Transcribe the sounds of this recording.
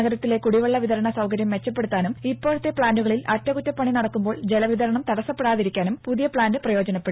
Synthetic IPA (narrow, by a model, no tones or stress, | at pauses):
ɐɣɐɾɐt̪ːile̞kuɽiʋɐɭːɐʋiðɐɾɐɳɐsɐwkɐɾjɐmʋe̞t͡ɕːɐp̬ːe̞ɽut̪ːaːnumipːo̞ːɻut̪ːepɭaːnduɣɐɭilɐtːɐɣutːɐpːɐɳinɐɽɐkːumbo̞ːɭd͡ʑe̞lɐʋiðɐɾɐɳɐmt̪ɐɽɐsːɐpːe̞ɽaːðiɾikʲːaːnumpuðijɐpɭaːndɨprɐjo̞ːd͡ʑɐnɐpːeɽ